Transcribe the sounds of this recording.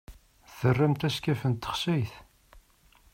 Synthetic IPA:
θərːæmt̪æskæfənt̪ːə̥χsæjθ

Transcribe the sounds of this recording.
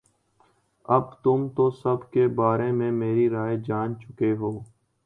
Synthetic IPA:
əbt̪ʊmt̪oːsəbkeːbaːɾemẽmeːɾiɾaːed͡ʒaːnt͡ʃʊkeɦoː

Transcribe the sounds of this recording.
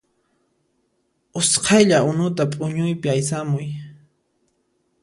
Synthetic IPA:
ʊsqʰɑjʎaʊnʊt̪apʼʊɲʊjpɪajsamʊj

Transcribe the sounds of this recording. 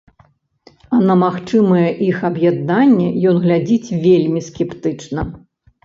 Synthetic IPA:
ɐnɐmaxt͡ʂɨmɐjɛʔixɐbjad̪̚nanʲːɛjɔnɣlʲad͡zʲit͡sʲvʲelʲmʲiskʲɛpt̪ɨt͡ʂnɐ

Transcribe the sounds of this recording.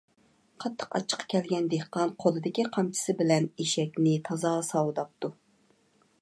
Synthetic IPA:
qʰɑt̪ʰːə̥qɑ̰t͡ʃʰːə̥qʰːɑ̥kʲʰɛlɡʲɛnd̪ehqːɑnqʰolˠɨd̪ɪkʲiqʰɑmt͡ʃʰɪ̥sɪbɪlɛneʃɛkʲnɪt̪ʰɑzɑːsɑwˠɨd̪ɑp̚t̪u

